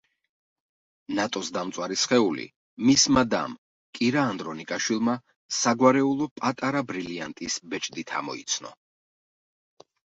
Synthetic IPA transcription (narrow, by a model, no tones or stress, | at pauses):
nat̪ʼɔsd̪amt̪sʼwaɾisχɛulḭ | mismad̪a̰m | kʼiɾaːnd̪ɾɔnikʼaʃwilˠma | saɡwaɾɛulˠɔpʼat̪ʼaɾabɾiliant̪ʼisbɛt͡ʃʼd̪it̪ʰa̰mɔ̰ḭt̪sʰnɔ̰